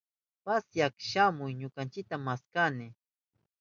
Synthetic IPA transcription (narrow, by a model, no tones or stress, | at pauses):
pasjakʃamʊjɲʊkant͡ʃɪk̚t̪amːaskanɪ